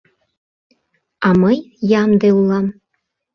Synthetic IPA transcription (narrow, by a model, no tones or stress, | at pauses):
ɑməjjɑmd̪eulˠɑm